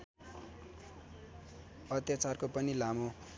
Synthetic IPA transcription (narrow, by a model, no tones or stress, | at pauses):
ʌt̪jat͡sarkopʌnilamo